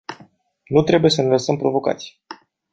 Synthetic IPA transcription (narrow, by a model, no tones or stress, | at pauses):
nut̪ɾe̞buje̞səneləsəmpɾo̞vo̞ka̰t̪sʲ